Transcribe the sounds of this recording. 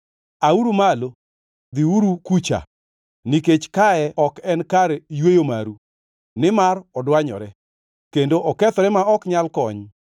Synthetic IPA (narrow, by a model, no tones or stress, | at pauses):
auɾumalo | d̪iuɾukut͡ʃa̰ | niket͡ʃkaɛɔkɛnkaɾjwejomaɾu | nɪmarɔdwaɲɔ̰ɾɛ | kendoʔɔkɛt̪ɔɾɛmaɔkɲalkɔɲ